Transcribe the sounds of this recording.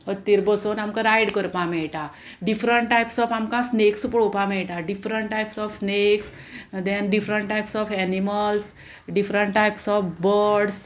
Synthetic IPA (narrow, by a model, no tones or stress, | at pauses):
ət̪ːiːɾbəsonamkãɾajɽkəɾpãmɛɭʈa | ɖifɾəɳʈʈajpsɔfamkãsneksupɽopãmɛɭʈaɖifɾəɳʈʈajpsɔfsneks | d̪ɛnɖifɾəɳʈʈajpsɔfɛniməls | ɖifɾəɳʈʈːajpsɔfbəɽs